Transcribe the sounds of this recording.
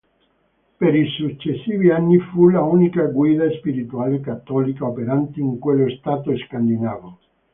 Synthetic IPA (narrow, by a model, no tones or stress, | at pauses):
peɾisut͡ʃːesːiːvianːifulauːnikaɡwiːd̪aspiɾit̪uaːlekat̪ːɔlikaopeɾant̪iːŋkwelːoest̪aːt̪oeskand̪inaːvo